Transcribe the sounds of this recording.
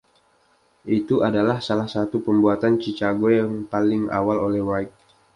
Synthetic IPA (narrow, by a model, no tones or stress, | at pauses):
ʔit̪uʔadalahsalahsat̪upəmbuat̪ant͡ʃit͡ʃaɡojaŋpalɪŋa̰walolɛhwaɪk̚